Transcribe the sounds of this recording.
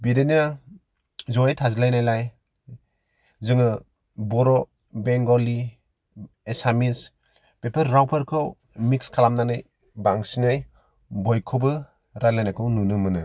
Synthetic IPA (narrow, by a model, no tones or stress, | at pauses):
bidenina | zɔetʰazilajnajlaj | zɯŋɯ | bɔɾɔ | beŋɡɔli | esamis | pepʰaɾːawpʰaɾkʰɯw | mikskʰalamnanɯj | baŋsinaj | bɔjkʰɔbɯ | ɾajlajnajkʰɯwnunɯmɯnɯ